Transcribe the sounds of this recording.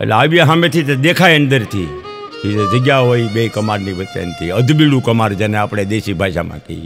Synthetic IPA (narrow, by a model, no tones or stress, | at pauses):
ḛleaʋiɦãmet̪ʰit̪ed̪ekʰajənd̪əɾt̪ʰi | tied͡ʒəɡjaɦoibekəmaɾniʋət͡ʃḛnt̪ʰiəd̪biɽũkəmaɾd͡ʒeneapɽ̃ed̪eʃibʱaʃa̰mã̰kəi